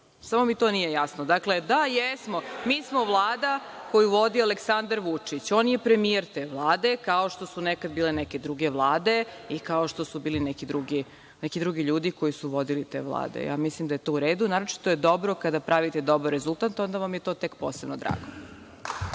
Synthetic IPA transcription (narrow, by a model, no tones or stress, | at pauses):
samomit̪o̞nijejasnod̪akle̞d̪ajɛsmomiːsmo̞ʋlˠaːd̪ako̞juʋo̞d̪ioaleksand̪aɾʋut͡ʂit͡ɕoːnje̞pɾe̞mijeɾt̪eʋlˠaːd̪e̞kao̞ʃt̪o̞sunekad̪biːlenɛke̞d̪ɾuɡe̞ʋlˠaːd̪e̞ikao̞ʃt̪o̞subiːlinɛkid̪ɾuɡi | nɛkid̪ɾuɡiʎuːd̪iko̞jisuʋo̞d̪ilit̪ḛʋlˠa̰ːd̪ḛja̰mislimd̪aje̞t̪o̞ːuɾeːd̪unaːɾot͡ʃi̥t̪ojed̪o̞bɾokad̪apɾʔaʋit̪ed̪o̞bɾoɾezulˠt̪ant̪o̞nd̪aʋamjet̪o̞ːt̪e̞kpoːsebnod̪ɾa̰ːɡo